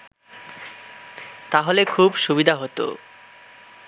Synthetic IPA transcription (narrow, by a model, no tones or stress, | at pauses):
t̪aɦolekʰubʃubid̪ʱaɦot̪o̰